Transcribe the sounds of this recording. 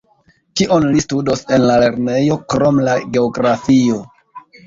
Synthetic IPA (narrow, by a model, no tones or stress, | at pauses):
kiʔo̞nlistudo̞se̞nlale̞ɾne̞jo̞kɾo̞mlaɡe̞oɡɾafio̞